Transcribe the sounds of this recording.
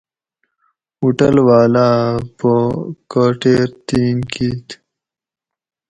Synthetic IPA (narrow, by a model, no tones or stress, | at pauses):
uʈəlwaːlaːpəkoːʈeːɾt̪iːnkʰiːt̪